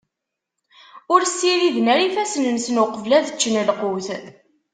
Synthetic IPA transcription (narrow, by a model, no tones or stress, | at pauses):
ʊɾsːiɾiðnəɾifæsnəmsənʊqəvlæðət͡ʃːənəlquwθ